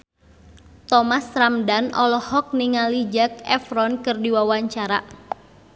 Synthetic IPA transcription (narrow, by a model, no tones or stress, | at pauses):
t̪ɔmasɾamdanɔ̰lɔhɔk̚niŋalid͡ʒak̚ɛ̰fɾɔnkɨrdiwawaɲt͡ʃaɾa